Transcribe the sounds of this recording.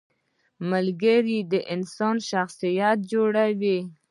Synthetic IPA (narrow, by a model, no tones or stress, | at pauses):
malɡəɾid̪əʔɪnsɑnʃaxsijat̪̚d͡ʒoɽawi